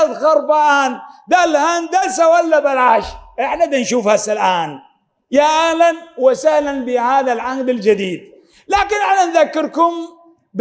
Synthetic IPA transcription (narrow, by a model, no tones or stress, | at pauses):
ðxɑɾˤbaʔaːnd̪alhand̪alsawalːabalʕaːʃʔɪħnad̪anʃuːfhasalʔaːn | jaʔahlanwɪsahlanbɪhaːðalʕaɡd̪ɪld͡ʒad̪iːd̪̚ | laːkɪnʔɪħnanðakːɪɾkʊm | b